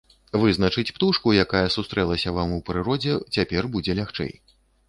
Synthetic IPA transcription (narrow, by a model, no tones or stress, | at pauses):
vɨznɐt͡ʂɨt͡sʲpt̪uʂkujakajɐsust̪ɾɛlˠɐsʲɐvamupɾɨɾɔd͡zʲɛt͡sʲapʲɛrbud͡zʲɛlʲaxt͡ʂɛ̰j